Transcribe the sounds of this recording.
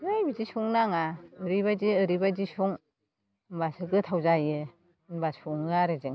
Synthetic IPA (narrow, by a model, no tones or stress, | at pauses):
ɯjbizisuŋnaŋaɯɾiβad͡ʒiɯɾibad͡ʒisuŋ | mbasɯɡɯtʰawzajɯ | nbasuŋɯaɾɯzeŋ